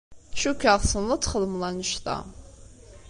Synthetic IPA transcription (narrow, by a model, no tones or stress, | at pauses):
ʃukʲːaʁˤsənlət͡sːχəðmlˠɑnəʃθɑ̰